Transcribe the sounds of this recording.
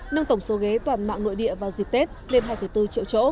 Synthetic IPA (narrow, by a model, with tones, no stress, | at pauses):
nə˧ŋt̪ə˧˩wŋ͡mso˨˦ɣe˨˦t̪waː˧˩nma̰ː˧˨ŋno̰˧˨jɗḭ˧˨əvaː˨˩zi˨˩k̚t̪e˦˥t̚le˧nhaː˧jfə˨˧˩jt̪ɨ˧t͡ɕḭ˧˨wt͡ɕo̰˧˥